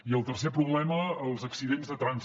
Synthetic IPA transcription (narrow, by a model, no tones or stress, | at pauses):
iəlˠt̪ərs̬epɾuβlɛməːlˠzəksiðenzðət̪ɾanz